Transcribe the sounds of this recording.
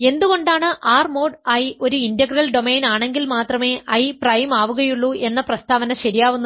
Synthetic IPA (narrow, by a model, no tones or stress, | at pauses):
e̞nd̪uɣo̞ɳɖaːɳɨʔaːrmo̞ːɖɐjio̞ɾuindɐɡrɐlɖo̞meːnaːɳe̞ŋɡilmaːt̪rɐme̞ːʔɐjprɐjmaːʋuɣɐjuɭːue̞nːɐprɐst̪ʰaːʋɐnɐɕɐɾijaːʋunːu